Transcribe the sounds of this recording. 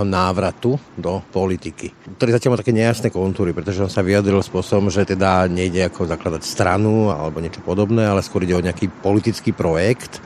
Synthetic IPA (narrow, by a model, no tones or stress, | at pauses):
ɦɔnaːʋɾat̪ud̪ɔpɔlit̪ikikt̪ɔɾiːzacjalmat̪akɛːɲɛjasnɛːkɔnt̪uːɾipɾɛt̪ɔʒɛɔnsaʋiad̪ɾilspʊɔsɔbɔmʒɛt̪ɛd̪aɲɛiɟɛakɔzaklad̪acst̪ɾanua̰lɛbɔɲɛt͡ʃɔ̥pɔd̪ɔbnɛːalɛskʊɔɾiɟɛɔɲɛakiːpɔlit̪it͡skiːpɾɔjɛkt̪